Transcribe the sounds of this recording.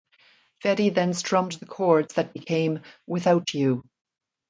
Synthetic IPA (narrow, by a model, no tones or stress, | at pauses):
fɛɾiðɨ̃nstɹ̥ʌ̃mðɨkʰɔɹdz̥ðɨt̚b̥ɨkʰẽɪ̃mwɪθaʊt͡ʃʉ